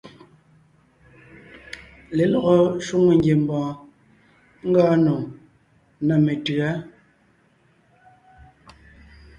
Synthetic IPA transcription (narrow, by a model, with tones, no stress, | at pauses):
le˨lɔ˨ɣɔ˨ʃu˦ŋe˦˨ŋ˦ɡje˨m̩˨bɔ̃ː˨ | ŋ̩˦ɡɔː˦no˨ | na˨me˨tɰa˨˦